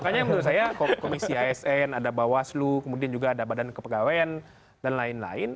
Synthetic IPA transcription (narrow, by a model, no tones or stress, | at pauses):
makaɲambənɾʊt̪sajakokomisiaɛsɛnadabawaslukəmudiand͡ʒuɡaːdabadankəpəɡawaan | danlaɪnla̰ɪn